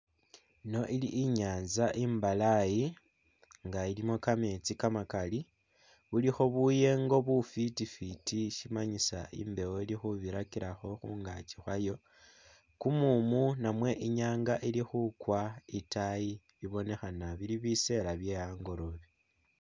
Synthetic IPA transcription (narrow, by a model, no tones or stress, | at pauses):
no̞ʔiliʔːɲaːnzaʔimbalaji | ŋɡailimo̞kame̞t͡sikamakali | βulixo̞βuje̞ŋɡo̞βufitifitiʃimaɲisa̰ḭmbe̞woilixuβiɾakiɾaxo̞xuːŋɡat͡ʃixwajo̞ | kumumunamwe̞ʔiɲaːŋɡaʔilixukwaitaji | βiβo̞ne̞xanaβiliβise̞ɾaβje̞aːŋɡo̞ɾo̞βi